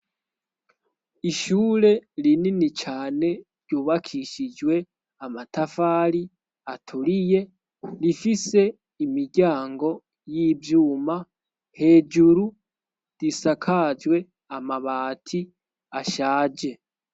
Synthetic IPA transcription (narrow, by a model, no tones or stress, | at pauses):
iʃuːɾe̞ɾininit͡ʃaːne̞ɾɟuːβakʰiʃid͡ʒwe̞ | amatafaːɾi | atʰuɾije̞ | ɾifise̞ | imiɾɟaːŋɡo̞ | jiːbjuːma | he̞ːd͡ʒuɾu | d̥isakʰad͡ʒwe̞ | amaβaːtʰi | aʃaːd͡ʒe̞